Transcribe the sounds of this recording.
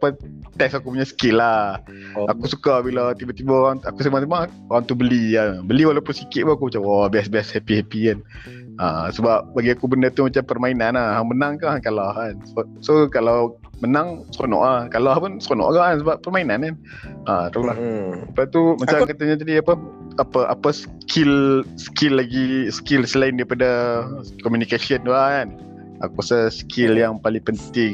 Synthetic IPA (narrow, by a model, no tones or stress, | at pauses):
apət̪ɛksakup̬uɲasə̥kɪla | akusukabilat̪ibat̪ibəoɣaŋakus̬əmasimaʔ | oɣaŋt̪ubəliabəliwalawpʊnsikɪt̪ʔ̪̚puakumat͡ʃamwabiasbiashɛpihɛpian | aːsəbap̚baɡiakubəndət̪umat͡ʃampərmainanahɦaŋmənaŋkahkalaɦansəsokalaw | mənaŋsəonɔ̰ʔakalahpunsəonɔ̰ʔɡaʔansəbaʔpːərmainanan | ʔat̪aulahəpat̪umat͡ʃamkat̪əɲad͡ʒ̪adiapə | apəʔa̰pəs | kʰɪlsə̥kɪlːaɡisə̥kɪlsəlaɪndaɾipadakɔmunikasiənuaan | a̰kusasə̥kʰɪljaŋpaliŋpənt̪ɪŋ